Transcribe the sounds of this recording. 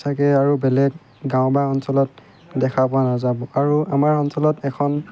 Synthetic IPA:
sʰakɛaɹubɛlɛk̚ | ɡãʊ̃bajɔnsɔlɔt̚ | dɛkʰapɔanazabɔaɹuamaɹɔnsɔlɔtɛkʰɔn

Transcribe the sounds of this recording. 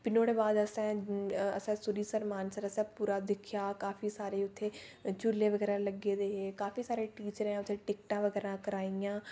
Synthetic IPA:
pɪnoːɽeːbaːd̪əsãːəsãːsʊɾiːsəɾmaːnsəɾəsãːpuːɾaːd̪ɪkʰijaːkaːfʰiːsaːɾeːʊt̪ʰːeːt͡ʃʊleːʋəɡɛːɾãːləɡeːd̪eːɦeːkaːfʰiːsaːɾeːʈiːt͡ʃəɾɛ̃ːʊt̪ʰːeːʈɪkʈãːʋəɡɛːɾãːkəɾaːijãː

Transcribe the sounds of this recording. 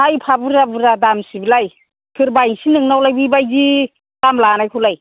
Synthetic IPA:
ajpʰabuɾabuɾadamsibilaj | kʰɯɾbajŋsinɯŋnawlajbibajzi | d̥amlanajkʰulaj

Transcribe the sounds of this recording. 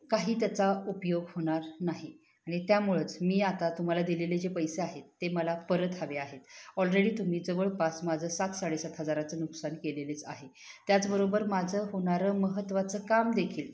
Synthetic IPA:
kaɦiːt̪jat͡saupjoɡhoɽ̃aɾnaɦi | aɽ̃it̪jamuɭət͡smiːat̪at̪um̤alad̪ileled͡ʑepəjseaɦet̪ːeməlapəɾət̪ɦaʋeaɦet̪ɔlɾeɽiːt̪um̤iːd͡zəʋəɭpasmad͡zʱəsat̪saɽesat̪ɦəd͡zaɾat͡sənuksankelelet͡sa̰ɦe | t̪jat͡sbəɾobəɾmad͡zʱəɦoɳ̃aɾəməɦət̪ːʋat͡səːkamd̪ekʰiːl

